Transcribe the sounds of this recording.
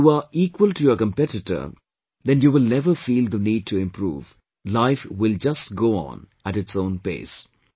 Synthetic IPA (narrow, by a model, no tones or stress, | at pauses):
juːaiːkwəlʈujəkə̃mpɛʈɪʈə̰˞ | d̪ɛ̃njuʋɪlnɛʋəfiːld̪əniːɖ̚ʈʰuɪ̃mpʰɾṵːʋ | laɪfwɪld͡ʒʌsʈ̚ɡoːɔ̰̃ːn | æʈɪʈsõʊ̃ːnpḛːs